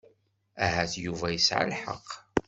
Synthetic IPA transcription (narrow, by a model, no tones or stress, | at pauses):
æɦæθjuvæjəsʕa̰lħə̰qː